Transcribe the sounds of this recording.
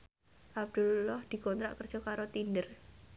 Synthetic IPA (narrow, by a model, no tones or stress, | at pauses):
ʔab̚d̪̥ulːɔhd̪̥i̤kɔnt̪ɾa̰ʔkərd͡ʒɔkaɾot̪indər